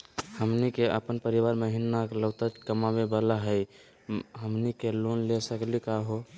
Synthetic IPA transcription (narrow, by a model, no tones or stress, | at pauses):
həmnikeʔə̰pənpəɾiʋaɾməɦinːakləʊt̪ət͡ʃkəmabebəlaɦəj | ɦəmnikelonlesəklikaɦo